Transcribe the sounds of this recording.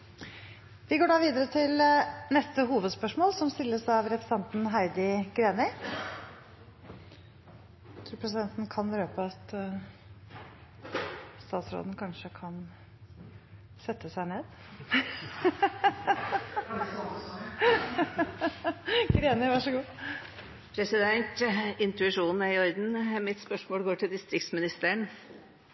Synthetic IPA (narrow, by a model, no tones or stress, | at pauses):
ʋɪɡoːɖɑːʋiːd̪əɾət̪ʰɪlnɛst̪əɦuːʋəd̪spœʂmoːlsɔmst̪ɪlːəsɑʋɾɛpɾɛ̥sɛnt̪n̩ɦæɪd̪ɪɡɾeːnɪ | t̪ʰɾuːpʰɾɛs̬ɪd̪ɛnt̪n̩kʰɑnɾøːpəɑt̪ | st̪ɑːt̪sɾo̰ːd̪n̩kʰɑnʂəkʰɑn | sɛt̪ːəsæɪneːd̪̥ | ɡɾeːnəʋɑʂəɡuː | pʰɾɛsɪd̪ɛnt̪ɪnt̪ʉɪʂuːn̩æɾɪɔɾd̪n̩mɪt̪spœʂmoːlɡoːʈʰɪld̪ɪst̪ɾɪkt̪smɪnɪst̪əəɳ